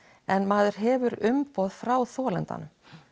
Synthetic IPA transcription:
ɛnmaːðʏɾ̥ɦɛːvʏɾʏmpɔːðfɾaːwθɔːlɛnt̪a̰nʏm

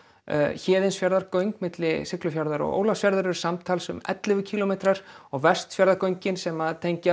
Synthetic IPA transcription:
çɛːðɪnsfjaɾðaɾkœɥŋkmɪt̪lɪsɪklʏfjaɾðaɾɔ̰ɣo̰ːwlasfjaɾðaɾɛɾ̥samt̪ʰaːlsʏ̰mɛ̰t̪lɪvʏcʰiːlɔmejt̪ɾaɾ̥ɔɣvɛr̥st̪sfjaɾðaɾkœɥɲcɪnsɛmaðt̪ʰejɲca

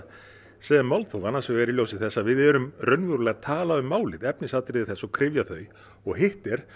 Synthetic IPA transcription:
sɛːðɪmawlt̪θowanːansvɛɣɛɾiljowsɪθɛsːavɪðɛːɾʏmrœɥnvʏɾʏlɛːɣt̪ʰaːlaðʏmːaːwlɪðɛpnɪsat̪ɾɪðɪθɛsːɔwkʰɾɪvjaθœɥ | ɔɣɦɪht̪ɛɾ̥

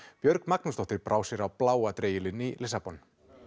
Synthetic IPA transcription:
pjœɾkmaknust̪ɔht̪ɪɾpɾʔaːwsɪɾawplaːwat̪ɾeːjɪlɪnːilɪsapɔn

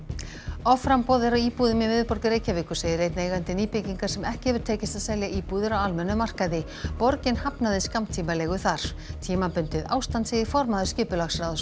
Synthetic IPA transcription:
ɔfɾampɔːðɪɾawiːpuðʏmivɪðpɔɾcɪɾeːjcaviːkʏ̥seːjðɪɾejt̪nejɣant̪ɪniːpɪciŋkaɾ̥sɛmɛhcɪhɛvʏɾ̥t̪ʰeːcɪst̪aðsɛljaʔiːpuðɪɾawalmɛnːʏmar̥kaðɪ | pɔɾcɪnhapnaðɪskamt̪ʰiːmalɛːɣʏθaɾ̥ | t̪ʰiːmapʏnt̪ɪðawst̪ant̪seðɪfɔɾmaðʏ̥scɪːpʏlaxsɾawðʏ

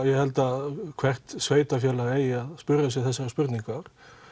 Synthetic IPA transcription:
jɛhɛlt̪akʰv̥ɛr̥t̪sveːjt̪afjɛːlaejɪaðspʏɾasɛθɛsːaɾaspʏɾt̪niŋkaɾ̥

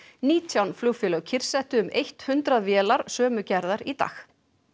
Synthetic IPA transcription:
niːt̪ʰjawnfluːfɪlœɣcʰɪr̥sɛht̪ʏʏmʔejht̪hʏnt̪ɾaðvjɛːlaɾ̥sœːmʏcɛɾðaɾit̪a̰ːx

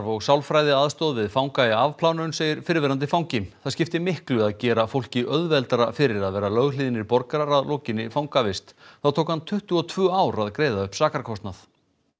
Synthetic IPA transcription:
ɾvɔɣsawlfɾajðɪaðst̪ɔðvɪðfawŋkaɪavpʰlawnʏnseːjɪɾ̥fɪɾvɛɾant̪̬ɪfawŋcɪmθaðscɪft̪ɪmɪhklʏaðcɛːɾafowlcɪʔœðvɛlt̪aɾafɪɾɪɾaðvɛːɾalœɣliːðɪnɪɾpɔɾkaɾaɾaðlɔːcɪnːɪfawŋkavɪst̪θaðt̪ʰoːwkhant̪ʰʏht̪ʏɔt̪ʰv̥ʏːaːwɾaðkɾeːjðaʏhpsaːkaɾkʰɔst̪naθ

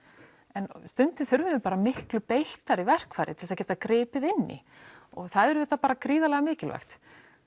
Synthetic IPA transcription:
ɛnst̪ʏnt̪ɪθʏɾvʏʏpaːɾamɪhklʏpejl̥t̪aɾivɛr̥kfaːjɾɪt̪ʰɪlsaðcɛːt̪akɾɪːpɪðɪnːɪ̰ | ɔɣθaðɛɾʏvɛːt̪ːapaːɾakɾiːðalɛɣamɪːcɪlva̰xt̪

